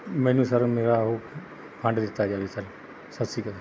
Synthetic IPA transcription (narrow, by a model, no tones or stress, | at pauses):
mɛ̃ːnũːsəɾmeːɾaɦoː | pʰə̃ɳɖd̪ɪt̪ːaːd͡ʒaːd̪iːsəl | sət̪siːkət̪ː